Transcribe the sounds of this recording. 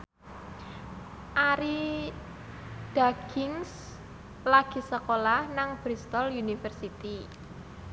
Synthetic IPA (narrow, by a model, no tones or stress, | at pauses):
ʔaɾi | d̥aɡɪŋs | laɡ̥i̤səkolahnaŋb̥ɾist̪ɔlunifərsit̪i